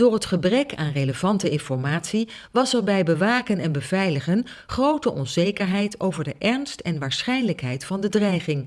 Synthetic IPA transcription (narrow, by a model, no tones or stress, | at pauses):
d̥ʊːɹɦətχəbrɛkʰa̰ːnrejləv̥ɑntəɪnfɔɹmaːtsi | ʋɑsɛɹbɛjbəʋaːkənɛnbəv̥ɛjləχən | χrowtəʔɔnzejkəɹɦɛjtʰowvəɹdəʔɛɹnstɛnʋaːɹsχɛjnləkɦɛjtfɑndədrɛjχɪŋ